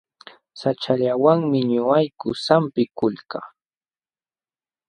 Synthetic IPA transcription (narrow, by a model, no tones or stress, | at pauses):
sat͡ʃaʎawaŋmɪɲʊajkʊsampɪkʊlkaː